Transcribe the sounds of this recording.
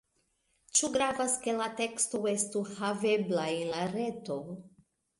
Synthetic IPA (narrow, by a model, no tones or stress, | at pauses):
t͡ʃuɡɾavaske̞latekstoestuhaveblaenlaɾe̞to̞